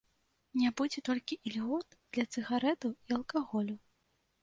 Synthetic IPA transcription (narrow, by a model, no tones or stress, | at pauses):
nʲabud͡zʲɛt̪ɔlʲkʲiʔilʲɣɔt̪̚d̪̥lʲɐt̪sɨɣaɾɛt̪uiɐlˠkaɣɔlʲu